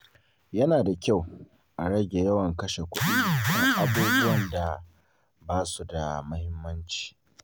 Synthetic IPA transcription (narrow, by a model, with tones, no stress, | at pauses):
jɐ˦naː˨da˨kʲa˦˨w | ʔa˨ɽɐ˦ɡʲe˨jɐ˦wɐ˨ŋkɐ˦ʃe˨kʷʊ˦ɗi˦˨kɐ˦ŋʔa˦buː˦bʊ˦wɐ˨nda˨ | baː˦su˨da˨mɐ˦hɪ˦mːɐ˦nt͡ʃi̥ː˨